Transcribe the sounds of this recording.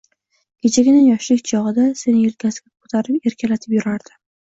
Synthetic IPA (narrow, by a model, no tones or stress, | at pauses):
kʲʰet͡ʃʰaɡʲɪnɪjɒʃlɪkʲt͡ʃʰɒʁɨd̪ase̞nɪjɪlɡʲʰasɡʲakʰo̥t̪ʰaɾɪpe̞ɾkʲʰalat̪ʰɪpjʊɾaɾd̪̥ɪ